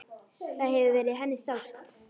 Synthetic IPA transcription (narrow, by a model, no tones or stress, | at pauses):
θaðɦɛvʏvɛːɾɪðɦɛnːɪst̪awst̪